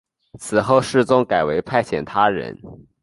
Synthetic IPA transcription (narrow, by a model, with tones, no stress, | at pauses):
t͡sʰɹ̩˨˩xo˥˧ʊʂɻ̩˥˩t͡sʊ˥ŋka˨˩ɪwe˧˥ɪpʰa˥˩ɪt͡ɕʰjɛ̰˨˩nt̪ʰa˥ɻə̰˧˥n